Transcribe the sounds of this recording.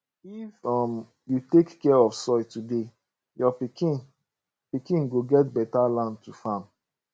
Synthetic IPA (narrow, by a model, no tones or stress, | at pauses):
ifɔm | jutekːɛɔfsɔjtude | jɔpikĩn | pikĩnɡoɡɛtbɛtalãntufãm